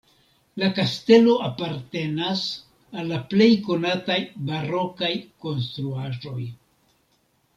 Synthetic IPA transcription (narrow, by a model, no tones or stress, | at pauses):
lakaste̞lo̞ʔapaɾte̞nas | alːaple̞jko̞natajbaɾo̞kajko̞nst̪ɾuaʒo̞j